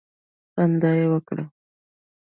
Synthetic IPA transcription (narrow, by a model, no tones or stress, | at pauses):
and̪ɑjewəkɽa̰